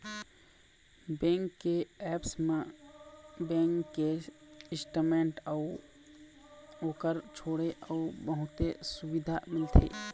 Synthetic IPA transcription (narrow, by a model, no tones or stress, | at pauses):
bẽːŋkːeɛːpsmẽ | bɛ̃ːŋkːeɪsʈəmẽːɳʈəʊ | oːkəɾt͡ʃʰoːɽeʔəʊbəɦʊt̪esʊwɪd̪ʱamɪlt̪ʰḛ